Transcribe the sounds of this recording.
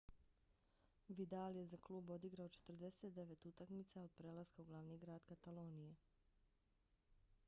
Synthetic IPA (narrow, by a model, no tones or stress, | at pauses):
ʋid̪alje̞zaklˠuːbo̞d̪iɡɾaot͡ʃe̥t̪rd̪e̞set̪d̪e̞ʋe̞t̪ut̪akmit̪sao̞d̪̥̚pɾe̞ːlaskauɡlˠaʋniɡɾaːd̪kat̪alo̞ːnije